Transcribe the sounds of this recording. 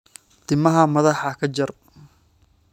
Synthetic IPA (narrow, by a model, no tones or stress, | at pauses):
t̪ɪmɐɦɐmɐðɑħɑkʰɐt͡ʃɐr